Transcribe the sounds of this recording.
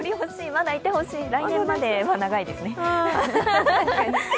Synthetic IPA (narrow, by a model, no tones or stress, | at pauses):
oɾʲiho̞ɕiːmad̪ait̪ːe̞ho̞ɕiːɾaijoːmãd̪e̞manaɡaid̪e̞sɨne̞